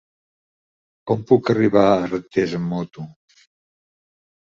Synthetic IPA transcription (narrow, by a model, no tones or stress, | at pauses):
kɔmpukəriβaərət̪ezəmːɔt̪u